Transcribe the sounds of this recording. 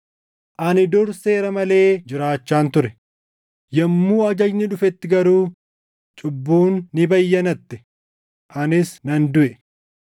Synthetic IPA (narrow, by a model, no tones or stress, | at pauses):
ʔɐnɪd̪ʊɾse̞ːɾɐmɐle̞ːd͡ʒɪɾaːt͡ʃːaːnt̪ʊɾɛ | jɐmːuːɐd͡ʒɐd͡ʒnɪᶑʊfɛt̪ːɪɡɐɾuː | t͡ʃʼʊbːuːnːɪbɐjːɐnɐt̪ːɪ̥ | ʔɐnɪsnɐnd̪ʊʔɛ